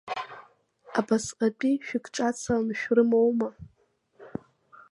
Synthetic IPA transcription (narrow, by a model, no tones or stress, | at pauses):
abasqʼat͡pʼiʃᶣikʼʰʈ͡ʂʼat͡sʰalnʃᶣrɨmowma